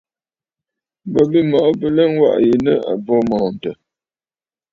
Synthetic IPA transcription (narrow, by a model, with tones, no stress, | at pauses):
bə˨bi˦mɔ˨ʔbə˨lɛ˦ŋ˦wa̰˦ʔje˨nə˦a̰˨bɔ˦mɔː˨n̩˨tə˨